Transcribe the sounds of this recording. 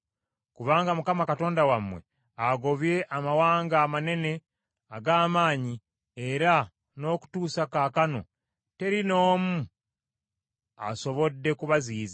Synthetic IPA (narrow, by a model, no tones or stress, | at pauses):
kuβaːŋɡamukamakato̞ːndawamwe̞̰ | aɡo̞βje̞ʔamawaːŋɡaːmane̞ne̞ | aɡaːmaːɲi | e̞ɾa | no̞ːku̥tuːsakaːkano̞̰ | te̞ɾino̞ːmu | a̰so̞βo̞dːe̞kuβaziːza